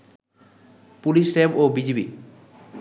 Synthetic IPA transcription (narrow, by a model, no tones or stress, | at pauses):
puliʃɾebobid͡ʑibḭ